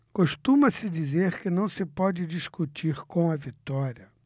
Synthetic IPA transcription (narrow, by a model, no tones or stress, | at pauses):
koʃt̪ũmɐsɪd͡ʒizeɾkɪnɐ̃w̃sɪpɔd͡ʒɪd͡ʒiskut͡ʃiɾkõɐvit̪ɔɾiɐ